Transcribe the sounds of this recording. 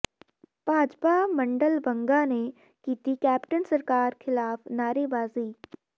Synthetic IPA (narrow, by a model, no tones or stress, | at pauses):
b̥aːd͡ʒpamɐ̃ɳɖəlbə̃ŋɡane | kiːt̪ikɛːpʈənsɐɾkaːɾxʰɪlaːfnaːɾebaːziː